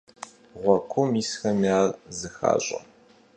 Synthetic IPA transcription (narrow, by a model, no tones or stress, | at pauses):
ʁʷɔkʷʰʊmiːsxɐmiaːrzɨxa̰ːɕʼɐ̰